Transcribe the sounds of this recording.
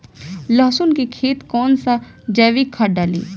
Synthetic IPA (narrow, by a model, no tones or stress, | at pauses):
ləɦsʊnkikʰeːt̪kɔːnsa | d͡ʒɛːʋikʰːaɖaːlḭː